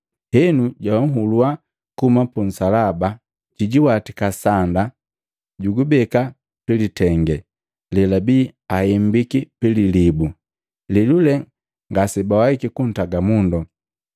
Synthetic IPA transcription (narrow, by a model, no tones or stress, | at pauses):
hɛnuɟawŋ̩ɦulua | kumapun̩salaba | ciɟiwatikasanda | ɟuɡubɛka | pilitɛŋɡɛ | lɛlabiːahɛmbikipililibu | lilulɛ | ŋɡasɛbawaikikun̩taɡamundɔ